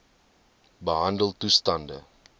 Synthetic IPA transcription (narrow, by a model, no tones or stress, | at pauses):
bəɦɐndəlˠtustɐndə̰